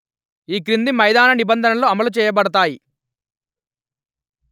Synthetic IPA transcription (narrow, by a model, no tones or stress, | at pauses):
iːkɾind̪imɐjd̪aːnɐnibɐnd̪ʱɐnɐlo̞ːɐmɐlut͡ʃɛːjɐbɐɽɐt̪̬aːji